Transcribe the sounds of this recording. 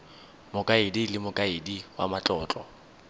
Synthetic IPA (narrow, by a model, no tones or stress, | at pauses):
mʊkʼaɪdilɪmʊkʼaɪdiwa̰mat͡ɬʼɔːt͡ɬʼɔ